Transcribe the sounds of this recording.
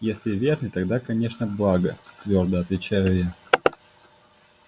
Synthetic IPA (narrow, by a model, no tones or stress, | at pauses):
jesʲlʲɪvʲe̞rnɨjt̪ɐɡd̪akɐnʲe̞ʂnəblˠaɡət̪vʲo̞rd̪əɐt̪vʲɪt͡ɕæjʊja